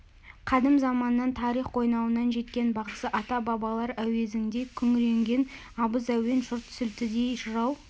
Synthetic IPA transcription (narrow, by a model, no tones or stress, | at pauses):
qʰɑd̪əmzɑmɑnːɑnt̪ʰɑɾiχwo̞jnɑwənɑnʒe̞t̪kʲe̞nbɑʁəsəʔɑt̪ɑbɑbɑlˠɑɾæwe̞zɪŋd̪e̞kʲʰʏŋɾe̞ŋɡʲe̞n | ɑbəzæwe̞nʒʊɾt̪ʰsʏlt̪ɪd̪e̞jʃəɾɑw